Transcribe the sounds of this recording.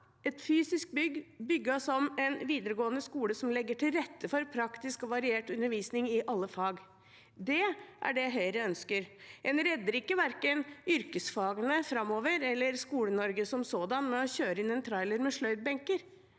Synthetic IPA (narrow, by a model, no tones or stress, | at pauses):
ɛt̪fyːsɪsk̚bʏɡːbʏɡːɑsɔmɛnʋiːd̪əɾəɡoːənəskuːləsɔmlɛɡːəʈɪlɾɛt̪ːəfɔɾpʰɾɑkt̪ɪskɔʋɑɾɪeːʈʉnːəɾʋiːsnɪŋɪʔɑlːəfɑːɡ | d̪ɛʔæ̰ɖɛjæɦœʏɾæœnskəɾɛnɾɛd̪ːəɾɪkːəʋæɾkənʏɾkəsfɑːɡənəfɾɑmːoːʋəɾɛlːəɾskuːlənɔɾɡəsɔmsoːd̪ɑnmɛɔçøːɾəɪnɛnt̪ʰɾɑɪləɾmɛʂɭœʏd̪̚bɛŋkəɾ